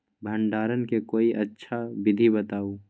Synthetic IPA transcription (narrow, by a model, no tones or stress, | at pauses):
bʱə̃ɳɖaːɾənkekoːiʔɐtːʃʰabɪd̪ʱibət̪aːu